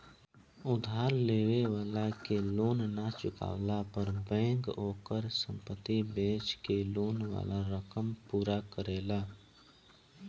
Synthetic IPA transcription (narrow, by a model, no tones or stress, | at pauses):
ʊd̪ʱaːɾleːʋeʋaːlakeloːnnat͡ʃʊka̰ːʋlapəɾbɛ̃ːŋkoːkəɾsə̃mpət̪ːibẽːt͡ʃkeloːnwa̰ːlaɾəkəmpuːɾakəɾeːla